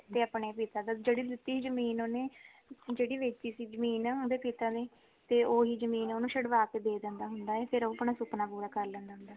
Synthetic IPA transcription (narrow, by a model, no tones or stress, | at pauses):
t̪eːəpɳeːpiːt̪aːd̪aːd͡ʒeːɽiːd̪ɪt̪ːiːiːd͡ʒəmiːnoːneː | d͡ʒeːɽiːʋeːt͡ʃd̪iːsiːd͡ʒəmiːnaːoːd̪eːpiːt̪aːneː | t̪eːoːɦiːd͡ʒəmiːnoːnũːʃəɽʋaːkeːd̪eːd̪ɛ̃nd̪aːɦʊnd̪aːɛːpʰɪɾoːəpnaːsʊpnaːpuːɾaːkəɾlɛ̃ːnd̪aːɦʊ̃nd̪aː